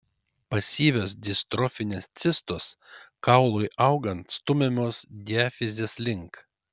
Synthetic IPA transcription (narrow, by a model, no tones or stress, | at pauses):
pɐsʲiːʋʲoːs̬d̪ʲɪst̪ɾɔfʲɪnʲeːst̪sʲɪst̪oskɑʊlˠʊɪʔɐʊɡɐnt̪st̪ʊmʲɛmʲoːsd̪ʲɪɛfʲɪzʲeːslʲɪŋk